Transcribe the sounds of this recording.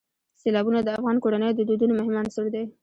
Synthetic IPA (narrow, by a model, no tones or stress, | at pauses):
selɑbunad̪əafɣɑnkoɽanəjod̪əd̪od̪unomʊhɪmɑnsəɽd̪e